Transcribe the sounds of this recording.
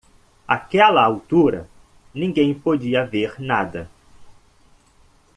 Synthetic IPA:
akɛlɐawt̪uɾɐ̰ | nĩŋɡẽj̃pod͡ʒiɐveɾnad̪ɐ

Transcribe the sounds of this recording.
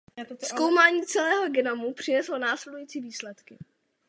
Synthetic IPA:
sko̞wmaːɲiːt͡sɛlɛːɦo̞ɡɛnamupr̝̥ɪnɛslonaːslɛdujiːt͡siːviːslɛt̪kɪ

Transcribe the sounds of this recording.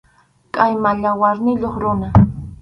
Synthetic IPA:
kʼajmaʎawaɾnɪʎoχɾʊna

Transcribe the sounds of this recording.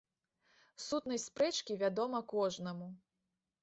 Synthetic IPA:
sut̪nɐjspɾɛt͡ʂkʲivʲad̪ɔmɐkɔʐnɐmu

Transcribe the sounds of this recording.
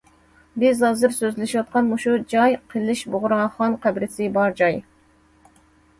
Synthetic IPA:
bɪzɑzɨɾsøzlɪʃiwɑt̪̚qʰɑnmuʃud͡ʒɑjqʰɨlˠɪʃboʁʊɾɑχɑnqʰæbɾɪsɪbɑɾd͡ʒɑj

